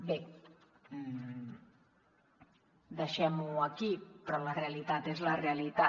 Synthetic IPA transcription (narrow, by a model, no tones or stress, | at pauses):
be | d̪aʃɛmuakipɾɔlarealit̪at̪ezlarealit̪a